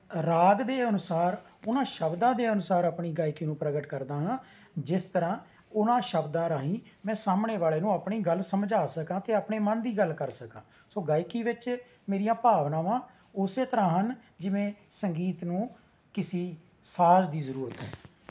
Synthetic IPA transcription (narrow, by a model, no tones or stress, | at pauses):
ɾaːɡd̪eːənʊsaːɾ | ʊnãːʃəbd̪ãːd̪eːənʊsaːɾaːpɳiːɡaːɪkiːnũːpɾəɡəʈkəɾd̪aːɦãː | d͡ʒɪst̪əɾãː | ʊnãːʃəbd̪ãːɾaːɦĩː | mɛ̃ːsaːmneːʋaːleːnũːaːpɳiːɡəlsəmd͡ʒaːsəkãːt̪eːaːpɳeːmənd̪iːɡəlkəɾsəkãː | soːɡaːɪkiːʋɪt͡ʃ | meːɾijãːpaːʋnãːʋãː | ʊseːt̪əɾãːɦənd͡ʒɪʋẽːsəŋɡiːt̪nũː | kɪsiː | saːzd̪iːzəɾuːɾət̪ɦɛ̰ː